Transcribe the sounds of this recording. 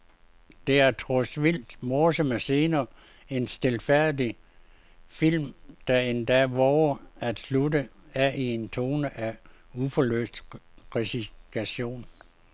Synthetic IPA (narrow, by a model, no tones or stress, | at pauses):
d̥e̝æɐt͡sʰʁɔsʋil̰d̥mɒːsɒmæse̝ːnɐː | e̝nsd̥elfæɐ̰d̥i | fil̰md̥æend̥æʋɒʊæd̥sludəæʔie̝nt͡sʰo̝ːnəʔæufɒlø̰ːsd̥ʁesiɡ̥ʰæɕo̝̰ːn